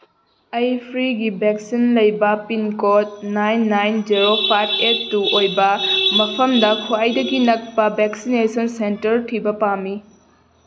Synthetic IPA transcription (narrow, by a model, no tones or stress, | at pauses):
ɐjpʰɾiɡibek̚sinlɐjbɐpinkot̚najnːajnd͡ʒiɾopʰajpʰetːuʔojbɐmɐpʰɐmdɐkʰuajdɐɡinɐk̚pɐbeksinesɐnsentɐɾtʰibɐpamːi